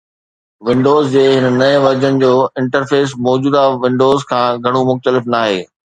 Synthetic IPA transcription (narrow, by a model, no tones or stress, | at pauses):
ʋɪ̃ɳɖoːzd͡ʑeːɦɪnənɐɪ̃ʋɐɾd͡ʑənɪ̆d͡ʑoːɪ̃ɳʈəɾfeːs̬mɔːd͡ʑuːd̪aʋɪ̃ɳɖoːzkʰãːɡʱɐɽ̃umʊxt̪əlɪfnaːɦeː